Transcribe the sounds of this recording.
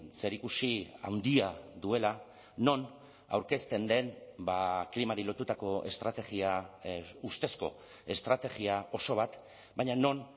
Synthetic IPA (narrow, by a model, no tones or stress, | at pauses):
se̞ɾikusia̰wnd̪iaðue̞la | no̞n | a̰wɾke̞st̪e̞nd̪e̞nbaklimaɾilo̞t̪ut̪ako̞e̞̰st̪ɾat̪e̞ɣia | ust̪e̞sko̞̰ | e̞st̪ɾat̪e̞ɣiaʔo̞so̞β̞at̪ | baɲano̞n